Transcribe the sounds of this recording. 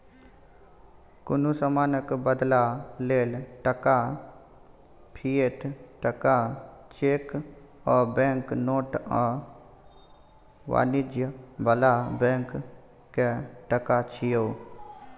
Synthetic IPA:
kʊnusəmaːnəkbəd̪laleːlʈəka | pʰiːet̪ʰʈəkat͡ʃeːk | ɔːbɛ̃ːŋknoːʈə | ʋa̰ːnɪd͡ʒjəbəlabɛ̃ːŋkː | eʈəkat͡ʃʰijoː

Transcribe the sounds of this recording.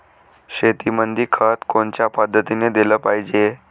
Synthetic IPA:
ɕet̪imənd̪iːkʰət̪koɳt͡ɕjapəd̪ʱːət̪ined̪eləpaɦid͡ʑe

